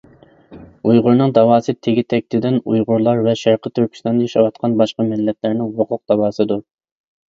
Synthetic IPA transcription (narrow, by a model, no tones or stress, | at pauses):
ujʁʊɾnɨŋd̪ɑwɑːsɨt̪ʰeɡʲit̪ʰɛk̚ʲt̪ʰɪd̪ɪnujʁʊɾlˠɑɾvɛʃæɾqʰət̪ːyɾkʲʰi̥st̪ɑnd̪ɑjiʃɑwɑt̪qʰɑnbɑʃqɑmɛllːɛplæɾnɪŋwoqʰʊq̚d̪̥ɑwɑːsɨd̪u